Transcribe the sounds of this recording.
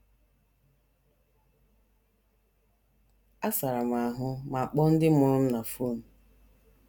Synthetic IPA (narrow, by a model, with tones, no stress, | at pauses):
a˦sa˨ɾa˨m˨a˨a˨ɦʊ˦ma˨a˨k͡pɔ˦n̩˦dɪ˦mʊ˨ɾʊ˦m̩˦na˨fo˦˨n̩˨